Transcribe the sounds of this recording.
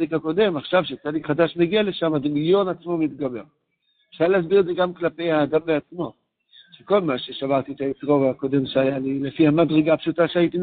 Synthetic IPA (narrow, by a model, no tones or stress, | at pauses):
likhako̞de̞maχʃavʃet͡salikχad̪aʃmeɡiale̞ʃamazemiljo̞nat͡smo̞mit̪ɡabe̞ʁ | efʃaʁlehas̬biʁedzeɡamklape̞jhaːd̪ambeat͡smo̞ | ʃeko̞lmaʃe̞ʃavaʁt̪it̪ait͡sʁo̞veako̞d̪e̞mʃeajalile̞fihamadʁeɡapʃutaʃeait̪in